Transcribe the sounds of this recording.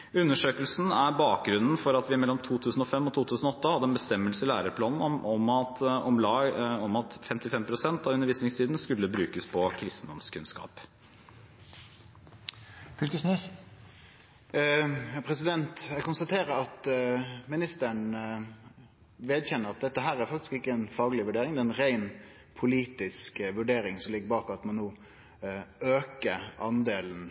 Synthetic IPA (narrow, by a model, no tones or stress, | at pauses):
ʉnːəʂøːkəlsn̩æbɑːk̚ɡɾʉnn̩fɔɾɑt̪ʋɪmɛlːɔmt̪ʰuːt̪ʰʉːsn̩ɔfɛmːɔt̪ʰuːt̪ʰʉːsn̩ɔɔt̪ːəhɑd̪ːəɛnbəst̪ɛmːəlsəɪlæːɾəpʰlɑːnn̩ɔmɑt̪ɔmlɑːɔmɑt̪fɛmt̪ɪfɛmpʰɾʊsɛnt̪ɑʋʉnəɾʋiːsnɪŋst̪ʰiːd̪n̩skʉlːəbɾʉːkəspʰɔkʰɾɪst̪n̩d̪ɔmskʰʉnskɑ̰ːp | fʏlkəsnɛs | pʰɾɛsɪd̪ɛnt̪jɛɡkʊnst̪ɑt̪ʰeːɾəɾɑt̪mɪnɪst̪əɳ | ʋeːd̪çɛnːəɾɑt̪̚d̪ɛt̪ːəɦæːɾæɾfɑkt̪ɪskɪkːəɛnfɑːɡəlɪʋʉɖeːɾɪŋd̪ɛːɛnɾæɪn | pʰʊliːt̪ɪskʋʉɖeːɾɪŋsɔmlɪɡːəbɑːkɑt̪mɔnːoː | øːkəʔɑnd̪eːln̩